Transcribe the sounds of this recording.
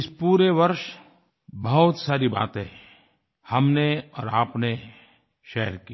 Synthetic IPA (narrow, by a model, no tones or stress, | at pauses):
ɪspuːɾeʋɐɾʃ | bɐɦʊt̪saːɾiba̰ːt̪ɦɛ | hɐmneɔːɾaːpne | ʃɛɦəɾkiː